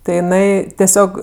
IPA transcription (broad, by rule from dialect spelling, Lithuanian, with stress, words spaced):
tɐɪ jɪˈnɐɪ tʲɛˈsʲoːk